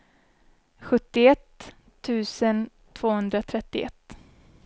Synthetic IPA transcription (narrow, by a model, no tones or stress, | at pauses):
ɧɵt̪ːɪɛt̪ʰː | ʉ̟ːsən | t̪ʰv̥oːhɵnd̪ɾat̪ʰɾɛt̪ːɪʔɛ̰t̪ː